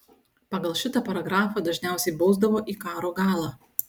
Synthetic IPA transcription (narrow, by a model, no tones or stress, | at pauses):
pɐɡɐlˠʃʲɪt̪ɐpɐɾɐɡɾɑːfɑːd̪ɐʒʲnʲæˑʊsʲɛɪbɒʊzd̪ɐʋoːʔiːkɑːɾoːɡɑːlˠɑː